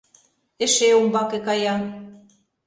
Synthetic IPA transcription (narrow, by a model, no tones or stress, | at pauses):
eʃeombɑkekɑjɑ